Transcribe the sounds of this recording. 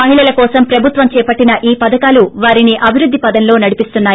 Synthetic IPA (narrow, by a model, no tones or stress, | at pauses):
ɐɦiɭɐlɐkɔːsɐmpɾɐbʱut̪ʋɐmt͡ʃɛːpɐʈːinɐʔiːpɐd̪ɐkaːluʋaːɾiniʔɐbʱiɾud̪ːipɐd̪ɐnlo̞ːnɐɽipist̪unːaːj